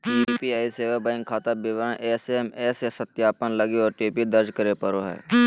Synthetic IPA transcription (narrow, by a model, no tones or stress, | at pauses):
iːpiaːiseːʋəbãɪ̃ŋkʰaːt̪abɪʋɾənʔeːsemeːsesɐt̪jaːpənlɐɡiɔːɾʈiːpid̪ɐɾd͡ʒkəɾepɐɾoɦɛ̰ː